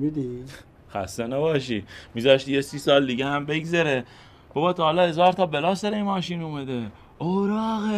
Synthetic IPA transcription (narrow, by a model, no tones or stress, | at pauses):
mid̪i | xæ̰st̪enæbɒːʃ̬imizɒːʃt̪ijesiːsɒːld̪iɡehæmbe̞ɡzæɾe | b̥obɒːt̪ʰɒːlɒːhezɒːɾt̪ʰɒːbelɒːsæɾejmɒːʃiːnumæd̪e | ʔoɾɒːɣe